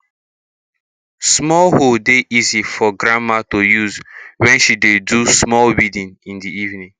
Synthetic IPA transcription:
smɔlhodeʔizifɔɡɾãmatojuzwɛ̃nʃidedusmɔlwidĩnĩndiivnĩŋ

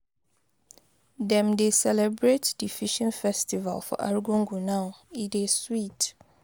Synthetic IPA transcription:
dɛ̃mdesɛlɛbɹetd̥ifiʃɔ̃nfɛstiva̰lfɔ̰ʔa̰ɹɡɔ̃ŋɡunãʊideswit

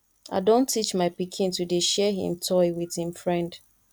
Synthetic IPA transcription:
a̰ɪdõntːit͡ʃmaɪpikʰĩntudeʃɛɦḭ̃mtʰɔɪwið̥hĩmfɹɛ̃nd̥

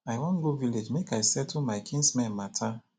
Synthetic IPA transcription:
aɪwɔ̃nɡoviled͡ʒmekajsɛtʰumaɪkʰĩnsmɛ̃nmatʰa

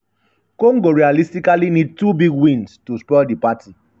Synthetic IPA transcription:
kõŋɡoɹialistikalinid̚tubiɡwĩnstuspɔldipati

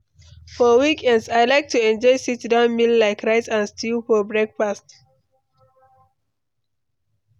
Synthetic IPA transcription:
fɔwikɛ̃ndsaɪlaɪk̚tʰuɛ̃nd͡ʒɔɪsitdãnmillaɪkʰɹaɪtãnstʰilfɔbɹɛk̚fast

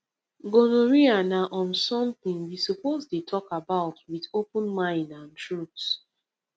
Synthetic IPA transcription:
ɡonoɹianaʔɔ̃nsɔ̃mθĩŋwisupoztutʰɔkabaʊtwiðopə̃nmãɪ̃ndãntɹuts

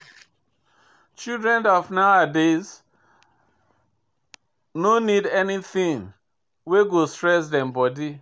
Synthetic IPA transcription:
t͡ʃildɹɛ̃nɔfnawadez | nonidɛniθĩŋ | weɡostɹɛsdɛ̃mbɔdi

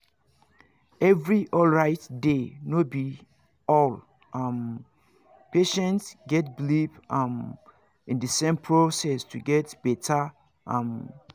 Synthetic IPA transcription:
ɛvɹiʔɔlɹaɪtdenobi | ɔl | am | peʃɛ̃ntsɡɛt̚blipam | ĩndəsẽmpʰɹosɛstʰuɡɛtb̥ɛtʰə | ʔãm

